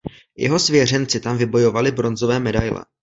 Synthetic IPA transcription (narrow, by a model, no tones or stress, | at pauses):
jʔɛ̰ɦo̞svjɛr̝ɛnt͡sɪt̪amvɪbo̞jo̞valɪbɾo̞nzo̞vɛːmɛdajlɛ̰